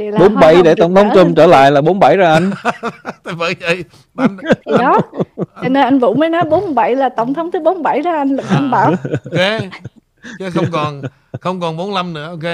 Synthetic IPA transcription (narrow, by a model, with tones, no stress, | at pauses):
i˨˩lːɓo˨˦nɓa˧˩jɗe˧˩t̪ə̰˨˧˩wŋ͡mt̪ʰə˨˦wŋ͡mt͡ɕə˧mt͡ɕəː˧˩la̰ː˧˨jlaː˨˩ɓo˨˦nɓa˧˩jzaː˧ʔa˧jŋʰ | a˨˩və̰ː˧˦ə˧˩j | ɗɔ˨˦t͡ɕɔ˧˩ne˧nʔa˧jŋ̟vṵ˧˥məː˨˦jnɔ˨˦jɓo˨˦n˧˩ɓa˧˩jlaː˨˩t̪ə˧˩wŋ͡mt̪ʰə˨˦wŋ͡mt̪ʰɨ˨˦ɓo˨˦nɓa˧˩jzaː˧ʔa˧jŋ̟lɗa̰ː˧˩mɓaː˧˩we˨˦ | t͡ɕə˨˦xə˧wŋ͡mkɔ˨˩n | xə˧wŋ͡mkɔ˨˩nɓo˨˦nla˧mnɨ̰˧˥əʔo˧e˦